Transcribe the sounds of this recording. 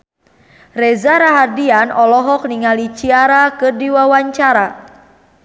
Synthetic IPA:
rɛzaɾaɦardianɔlɔɦɔk̚niŋalit͡ʃiaɾakɨrdiwawaɲt͡ʃaɾa

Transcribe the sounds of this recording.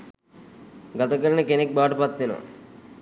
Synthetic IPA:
ɡat̪əkəɾənəkenek̚baːʈəpat̪ʋeno̰

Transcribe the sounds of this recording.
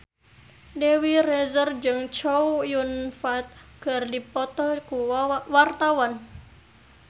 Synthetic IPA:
dewirɛzərd͡ʒɨŋt͡ʃɔwjunfat̪̚ɡ̥ardipɔt̪ɔkuwart̪awan

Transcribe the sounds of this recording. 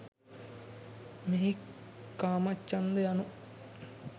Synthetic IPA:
meɦikːaːmɐt͡ʃːɐnd̪ejanu

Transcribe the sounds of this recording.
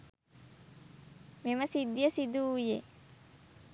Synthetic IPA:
meməsid̪jəsid̪uːje

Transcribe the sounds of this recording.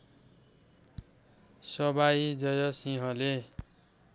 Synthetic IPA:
sʌbaid͡zʌjʌsiɦʌ̃le

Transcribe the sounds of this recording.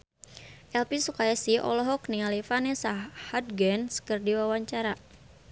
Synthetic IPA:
ʔɛlpisukajasiʔɔ̰lɔɦɔknialifanɛsahad̚ɡɛnskɨrdiwawaɲt͡ʃaɾa

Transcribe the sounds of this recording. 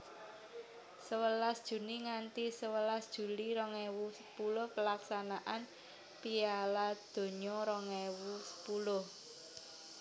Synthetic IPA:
səwəlasd̥ʒ̥ṳniŋant̪isəwəlasd̥ʒ̥ṳliɾɔŋɛwusəpulʊhpəlaksanaʔan | pialad̪̥o̤ɲɔɾɔŋɛwusə̥pulʊh

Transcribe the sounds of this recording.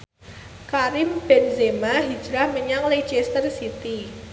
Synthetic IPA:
kaɾɪmb̥ɛnzemaɦi̥d͡ʒɾahməɲaŋled͡ʒɛst̪ərsit̪i

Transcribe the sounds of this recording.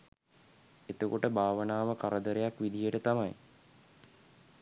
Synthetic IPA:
et̪əkoʈəbʱaːʋənaːʋəkaɾəd̪əɾejakʋid̪ijəʈət̪amaj

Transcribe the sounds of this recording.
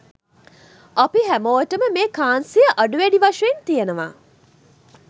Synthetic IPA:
ʔapiɦæmoːəʈəməmeːkaːnsijəʔɐɖuʋæɖiʋɐʂɐent̪ijənəʋa̰ː

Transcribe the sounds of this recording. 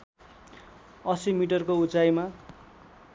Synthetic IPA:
ʌsimiʈʌrkout͡sajma

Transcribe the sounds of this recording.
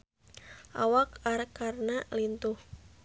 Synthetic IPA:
ʔa̰wakarkarnalint̪uh

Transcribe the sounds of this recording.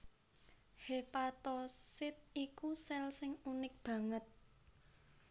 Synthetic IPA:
hepat̪ɔsɪt̪̚ikusɛlsɪŋunɪk̚b̥ä̤ŋət̪̚

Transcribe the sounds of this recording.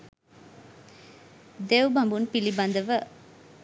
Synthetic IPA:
d̪ewbɐmbunpilibɐnd̪əʋə

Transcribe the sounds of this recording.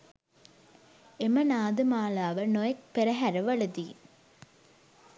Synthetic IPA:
emɐnaːd̪ɯmaːlaːʋɐnojɐk̚pɛɾɐɦæɾɐʋɐɭɯd̪i

